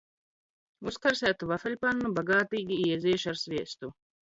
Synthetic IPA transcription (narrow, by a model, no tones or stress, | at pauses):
uskaɾsʲæːt̪uvafɛlʲpanːubaɡaːt̪iːɡʲiiɛziɛʃaɾsvʲiɛst̪u